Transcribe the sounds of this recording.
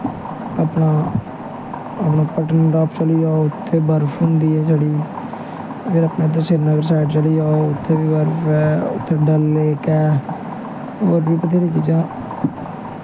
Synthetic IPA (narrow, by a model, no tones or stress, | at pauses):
əːpnãː | əpnãːpəʈənɖaːpt͡ʃəliːaːoʊt̪ʰːeːbəɾpʰɦʊnd̪iːɛːsaːɽiː | keɾəpnaːd̪õːseːɾnaːɡəɾsaːɪʈt͡ʃəliːaːoʊt̪ʰːeːbiːbəɾpʰɛːʊ̰t̪ʰːeːɖəlːeːkɛː | oːɾbiːpət̪ʰeːɾĩːt͡ʃiːd͡ʒãː